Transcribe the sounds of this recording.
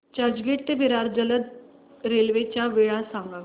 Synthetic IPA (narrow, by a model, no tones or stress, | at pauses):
d͡ʑaɾd͡ʑɡeʈt̪ebʱiɾaɾd͡ʑələd̪ | ɾelʋet͡ɕjaʋeɭasãŋɡa